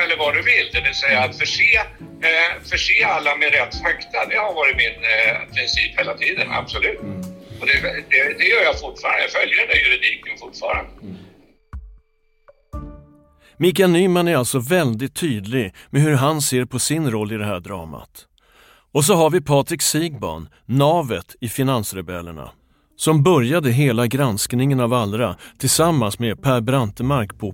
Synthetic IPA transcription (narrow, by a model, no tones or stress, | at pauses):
ɛlːəɾvɑɖ̪ɵvɪld̪ɛvɪlsɛjːaːt̪fœʂeː | fœʂeːalːamɛɾɛt̪ːfɛkt̪ʰad̪ɛhaɾvɑːɾɪt̪mɪnpʰɾɪnsiːpheːlat̪ʰiːd̪ə̰na̰b̥sɔlʉ̟ːt̪ɔd̪ɛd̪ɛd̪ɛjœːɾjɑfʊʈfɑːɾa̰nəfœljəɾɛnɛjɵɾɪd̪iːkənfʊʈfɑ̰ːɾa̰nd̪ə | mɪk̬anyːmanæɾalt̪sɔvɛld̪ɪt̪ʰːyːd̪lɪɡmɛɦɵɾɦanseːɾpʰɔsɪnɾɔlːɪd̪ɛɦæːɖɾɑ̰ːma̰t̪ | ɔs̬ɔɦaɾvɪpʰɑːt̪ɾɪksiːɡbɔ̰nː | ɑːvət̪ɪfɪnansɾɛbɛ̰lːə̰ɳa̰ | sɔmbœɾjad̪əɦeːlaɡɾansknɪŋənavald̪ɾat̪ʰɪlsamːansmepʰæːɾbɾant̪əmaɾkpʰɔ